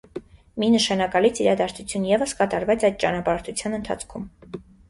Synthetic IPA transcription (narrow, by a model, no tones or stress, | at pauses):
minəʃɑnɑkɑlit͡sʰiɾɑd̪ɑɾt͡sʰut͡sʰjunjɛvəskɑt̪ɑɾvɛt͡sɑjd̪̚t͡ʃɑnɑpɑɾt͡s̪ʰut͡sʰjɑnənt̪ʰɑ̰t͡sʰkʰum